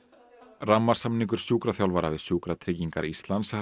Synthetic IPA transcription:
ramːaɾ̥samniŋkʏɾ̥sjuːkɾaθjawlvaɾavɪðsjuːkɾat̪ʰɾɪːciŋka̰ɾist̪lans

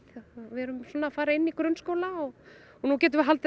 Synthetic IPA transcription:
vɪɛɾʏmsvɔːnːafaːɾaɪnːikɾœnskoːwlaɔɣ | ɔnucɛːt̪̬ʏmvɪɦalt̪ɪ

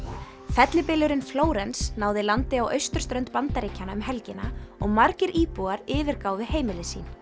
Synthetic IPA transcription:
fɛt̪lɪpɪːlʏɾɪnfloːwɾɛnsnaːwðɪlant̪ɪawʔœ̰ɥst̪ʏɾ̥st̪ɾœɥnt̪pant̪aɾiːcʰːanaʏmɦɛlcɪnaɔɣmaɾcɪɾʔiːpuaɾɪːvɪɾkaːwðɪheːjmɪlɪsḭːn

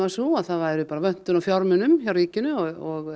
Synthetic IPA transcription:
vasuaðθaðvajɾʏpaːɾavœn̥t̪ʏnawfjɔɾmʏnʏmçaɾriːcɪnʏɔɔɣ

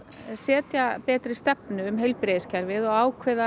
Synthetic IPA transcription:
sɛːt̪japɛːt̪ɾɪst̪ɛpnʏːmɦejlpɾeːðɪscʰɛɾvɪðɔɣaːwkʰvɪða

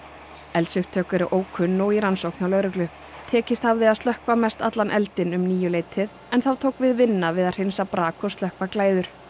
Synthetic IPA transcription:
ɛlsʏxt̪ʰœːkɛɾɪʔoːwkʰʏnːɔɣiɾansowknɪawlœːɾʏklʏ | t̪ʰɛːcɪst̪havðɪaðst̪lœhkvamɛst̪at̪lanʔɛlt̪ɪnʏmniːjʏleːjt̪ʰɪð | ɛnθawt̪ʰoːwkvɪðvɪnːavɪðað̥r̥ɪnsapɾaːkʰɔst̪lœhkvaklaːjðʏɾ̥

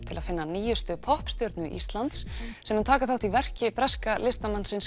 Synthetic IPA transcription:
t̪ʰɪlaðfɪnːaniːjʏst̪ʏpʰɔhpst̪jœɾt̪nʏʔḭst̪lant̪ssɛmhʏnt̪ʰaːkaθawt̪ʰivɛr̥cɪpɾɛskalɪst̪amansɪns

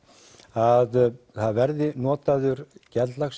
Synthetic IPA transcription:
að | θaðvɛɾðɪnɔːt̪aðʏɾcɛlaxs

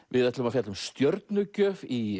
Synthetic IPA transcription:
vɪðɛt̪lʏmafjat̪lʏmst̪jœɾt̪̚nʏcœːvi

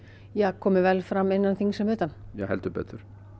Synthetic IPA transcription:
jɛɣkʰɔːmɪvɛlfɾamːɪnːanθiŋsɛmʏːt̪anjɛ̰hɛ̰lt̪ʏpɛ̰ːt̪ʏɾ̥

